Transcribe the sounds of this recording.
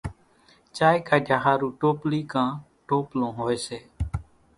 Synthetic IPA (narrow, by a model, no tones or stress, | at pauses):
t͡ʃaːjkaːd͡ʒʱaːɦaːɾũːʈoːpliːkãː | ʈoːplõːɦoːeːseː